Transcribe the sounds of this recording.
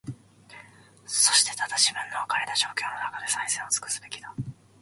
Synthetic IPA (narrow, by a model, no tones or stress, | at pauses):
so̞ɕi̥t̪e̞̥t̪ad̪aɕimɯ̟̃nːoːkaɾet̪aʑo̞ːkʲo̞ːnonakad̪e̞saisẽɰ̃o̞t͡sɨ̥kɯ̟̥sɨ̥be̞kʲi̥d̪a